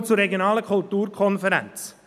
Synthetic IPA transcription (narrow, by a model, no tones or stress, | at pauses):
t͡surɛɡjonɑːləkʰʊltuːɾkʰɔnfəɾɛ̰nt͡s